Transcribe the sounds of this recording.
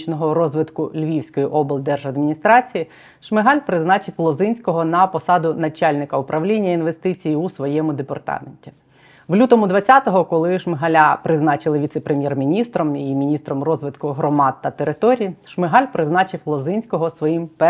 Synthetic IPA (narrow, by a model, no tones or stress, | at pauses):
t͡ʃnɔɦɔɾɔzʋɪt̪kʊlʲʋʲiwsʲkɔjiʔɔbɪlˠd̪ɛrʒɐd̪mʲinʲist̪ɾɑt͡sʲiji | ʃmɪɦɑlʲpɾɪznɑt͡ʃɪwlˠɔzɪnʲsʲkɔɦɔnɐpɔsɑd̪ʊnɐt͡ʃalʲnɪkɐʊpɾɐʋlʲinʲːɐinʋest̪ɪt͡sʲijiusʋɔjɛmʊd̪epɐ̰rt̪ɑ̰menʲtʲi̥ | ʋlʲut̪ɔmʊd̪ʋɐt͡sʲɑt̪ɔɦɔkɔlˠɪʃmeɦɐlʲapɾɪznɑt͡ʃɪlˠɪʋʲit̪sɛpɾʔemʲjɛrmʲinʲist̪ɾɔmimʲinʲist̪ɾɔmrɔzʋɪt̪kʊɦɾɔmɑd̪̚t̪ɐt̪eɾɪt̪ɔɾʲijiʃmɪɦɑlʲpɾɪznɑt͡ʃɪwlˠɔzɪnʲsʲkɔɦɔsʋɔjimpɛ